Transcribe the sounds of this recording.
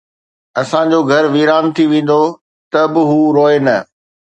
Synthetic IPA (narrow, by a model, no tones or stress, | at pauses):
ɐsãd͡ʑoːɡʱɐɾʋiːɾaːnt̪ʰiʋẽːn̆d̪o | t̪ɐbɪɦuːɾoːenɐ